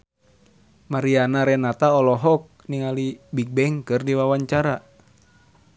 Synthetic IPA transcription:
maɾianaɾɛnat̪aɔlɔɦɔk̚niŋalibik̚bɛŋkɨrdiwawaɲt͡ʃaɾa

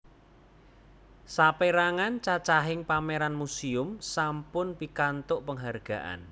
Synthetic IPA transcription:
sapeɾaŋant͡ʃat͡ʃaɦɪŋpameɾanmusiʊmsampʊnpikant̪ʊʔpəŋɦarɡ̥a̤̰ʔa̰n

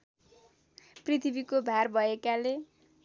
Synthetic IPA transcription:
prit̪ʰibikobʱarbʱʌekale

